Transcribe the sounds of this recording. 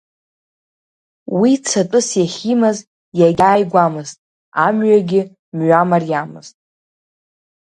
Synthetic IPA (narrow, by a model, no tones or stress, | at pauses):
wit͡sʰatʼʊsjaχʲimaz | jaɡʲaːjɡʷamɨztʼ | amɥaɡʲɪ | mɥamarjamɨ̰z̥tʼ